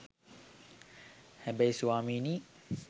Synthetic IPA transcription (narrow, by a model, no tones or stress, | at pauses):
hɛbajsuwaːmini